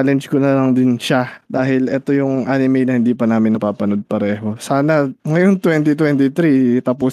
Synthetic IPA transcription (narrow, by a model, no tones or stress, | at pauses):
lɛnd͡ʒkonɐlɐŋd̪ɪnʃad̪aːɦɪlʔɛːt̪o̞jʊŋʔaːnɪmɛjnɐhɪnd̪iːpɐnaːmɪnːɐpaːpɐno̞d̪̚pɐɾɛːɦo̞saːnɐŋɐjont̪wɛnt̪it̪wɛnt̪ɪt̪ɾit̪aːpʊ